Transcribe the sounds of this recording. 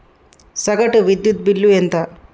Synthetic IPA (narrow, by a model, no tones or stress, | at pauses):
sɐɡɐʈuʋid̪jut̪̚bilːuent̪ɐ